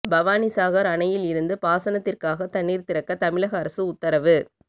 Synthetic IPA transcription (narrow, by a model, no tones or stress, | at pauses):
bɐʋaːnisaːɣɐɾɐɳɐjɪlɪɾɯnd̪ɯpaːsɐnɐt̪ːɪrkaːɣɐt̪ɐɳːiːɾt̪ɪɾɐkːɐt̪ɐmɪɭɐɣɐːɾɐsɯʊt̪ːɐɾɐʋɯ